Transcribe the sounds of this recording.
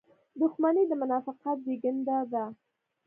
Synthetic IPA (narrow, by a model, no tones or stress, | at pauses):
d̪ʊxmanid̪əmʊnɑfɪqat̪̚beɡənd̪ad̪a